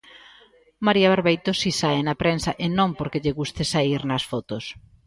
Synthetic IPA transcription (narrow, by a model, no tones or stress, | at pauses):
maɾiaβeɾβejt̪osisaenɐpɾensɐʔenõŋpoɾkeʎeɣust̪ɪsaiɾnɐsfɔt̪os